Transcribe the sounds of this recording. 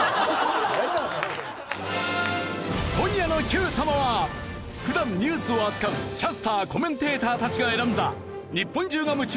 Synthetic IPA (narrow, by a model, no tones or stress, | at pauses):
kõ̞ɲjano̞çʲɯːsamaβa | ɸɯ̟d̪ãmɲɯːsɨoat͡sɨ̥kamɯ̟kʲasɨ̥t̪aːko̞mẽ̞nt̪e̞ːt̪aːt̪at͡ɕiɡae̞ɾand̪a̰ | ɲipːõ̞ɲd͡ʑɨːɡamɯ̟t͡ɕi